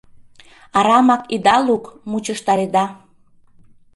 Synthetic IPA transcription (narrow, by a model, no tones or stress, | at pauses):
ɑɾɑmɑkid̪ɑlukmut͡ɕəʃt̪ɑɾed̪ɑ